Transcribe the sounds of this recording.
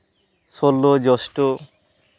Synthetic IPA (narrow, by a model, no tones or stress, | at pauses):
solːod͡ʑɔsʈo